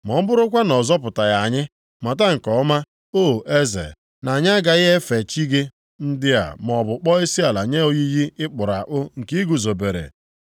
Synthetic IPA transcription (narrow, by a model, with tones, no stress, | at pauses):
mɔ˨m̩˦bʊ˦ɾʊ˦kʷa˦nɔ˨zɔ˦p̬ʊ˨ta˨ja˨ɲɪ˦ | ma˨ta˦ŋ̩˨kɔ˨˦ma˦ | o˦˨e˦zḛ˨ | na˨ɲ˦a˦ɡa˨ɣɪ˦ɦe˦fe˨t͡ʃi˦ɡe˦ | n̩˦dɪ˦a̰˨m˨ɔ˨bʊ˨k͡pɔ˦i˦si˦a˨la˨ɲe˦o˦ɣi˦ji˦ɪ˦k͡pʊ˨ɾa˨ʔʊ˦ŋ̩˨ki˦ɡu˨zo˨be˨ɾḛ˨